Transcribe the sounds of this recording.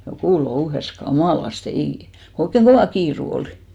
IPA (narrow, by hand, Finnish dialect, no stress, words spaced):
jokuˑ louhes kɑmɑˑlɑste eiˑ ko oikːeŋ ɡ̊oʋɑˑ kiːru oli̥